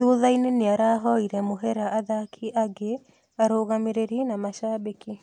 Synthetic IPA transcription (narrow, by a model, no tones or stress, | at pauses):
uðaineneaɾaɦɔiɾɛmoɦɛɾaaðakʰiʔaɡe | aɾoɣameɾeɾinamaʃabiki